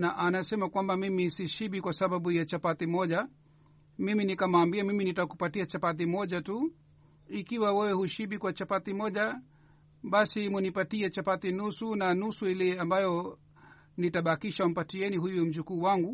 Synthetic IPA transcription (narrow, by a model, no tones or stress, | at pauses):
naʔanasɛmakwambamimisiʃiɓikwasaɓaɓujat͡ʃapat̪imɔʄa | miminikamaːmbiamiminitakupatiat͡ʃapat̪̬imɔʄatu | ikiwawɛwɛhuʃiɓikwat͡ʃapat̪imɔʄa | ɓasimunipatiɛt͡ʃapat̪inusunanusuilɛambajɔ | nitaɓakiʃam̩patiɛnihujum̩d͡ʒukuːwaŋɡu